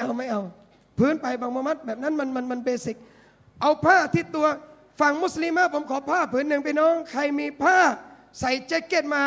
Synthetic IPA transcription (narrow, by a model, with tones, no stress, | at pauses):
ʔa˧wma˥˩jʔa˧w | pʰɯː˦˥˨npa˧jbaː˧ŋmɔː˧ma˦˥t̪̚bɛː˨˩p̚na˦˥˨nma˧nma˧nma˧nbeː˧si˨˩k̚ | ʔa˧wpʰaː˥˩t̪ʰi˧˩t̪u˧ɐ | fa˧˩ŋmu˦˥˩sli˧mːaː˧˥˩pʰo˨˦mkʰɔː˨˦pʰaː˥˩pʰɯː˨˦˥nːɯ˨˩ŋpʰaː˧jnɔː˦˥˩ŋkʰa˧jmiː˧pʰaː˥˩ | sa˨˦jt͡ɕe˧˥˩kːe˧˥˩t̪̚maː˧